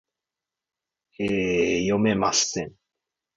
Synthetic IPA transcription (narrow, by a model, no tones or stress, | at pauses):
ejomemast̪ɛn